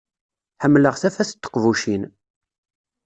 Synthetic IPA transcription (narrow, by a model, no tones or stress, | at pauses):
ħəmːləʁθæfæθə̥t̪ːə̥qvuʃin